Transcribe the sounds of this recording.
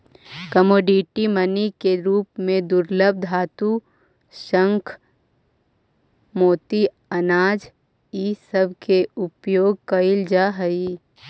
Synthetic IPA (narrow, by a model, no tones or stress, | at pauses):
kəmoːɖiʈimənikeɾuːpmẽd̪ʊɾləb̚d̪ʱɦaːt̪u | ʃə̃ŋkʰ | moːt̪i | ɐnaːd͡ʒ | isəbʱkeʊpjoːɡ̚kɐɪld͡ʒaɦəi